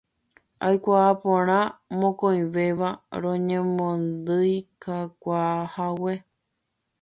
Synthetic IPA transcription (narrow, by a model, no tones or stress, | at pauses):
ajkʷaːpõɾ̃ãmõkõj̃ʋeʋaɾõɲẽmõnd̪ɨjkakʷahawe